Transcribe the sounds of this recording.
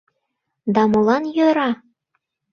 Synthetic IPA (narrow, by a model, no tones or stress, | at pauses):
d̪ɑmolˠɑnjøɾɑ